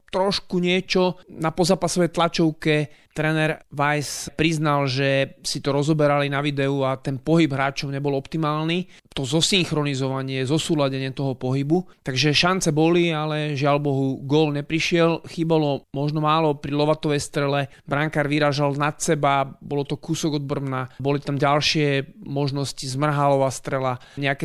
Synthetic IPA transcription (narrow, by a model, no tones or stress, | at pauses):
t̪ɾɔʃkuɲɪɛt͡ʃɔnapɔzaːpasɔʋɛjt̪lat͡ʃɔʊkɛt̪ɾɛːnɛɾʋajspɾiznalʒɛsit̪ɔɾɔzɔbɛɾalinaʋid̪ɛuat̪ɛnpɔɦibɦɾaːt͡ʃɔʊɲɛbɔlɔpt̪imaːlni | t̪ɔzɔsiŋxɾɔnizɔʋaɲɪɛzɔsuːlaɟɛɲɪɛt̪ɔɦɔpɔɦibu | t̪aɡʒɛʃant͡sɛbɔlialɛʒɪalbɔɦuɡɔlɲɛpɾiʃɪɛlxiːbalɔmɔʒnɔmaːlɔpɾilɔʋat̪ɔʋɛjst̪ɾɛlɛ | bɾaŋkaɾʋiɾaːʒalnat̪sɛbabɔlɔt̪ɔkusɔɡɔd̪̚br̩mnabɔlit̪amɟalʃɪɛmɔʒnɔscizmr̩ɦalɔʋast̪ɾɛlaɲɛakɛ